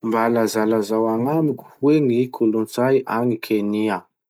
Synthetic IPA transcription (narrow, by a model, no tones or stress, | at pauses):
mbalazalazawaŋamiku̥wenikʰulunt͡sajʔaŋikʰenia